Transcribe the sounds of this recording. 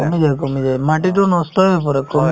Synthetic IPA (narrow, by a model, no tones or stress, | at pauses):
ɔmid͡ʒajkɔmid͡ʒajmaʈitunɔstɔapɔɾekɔm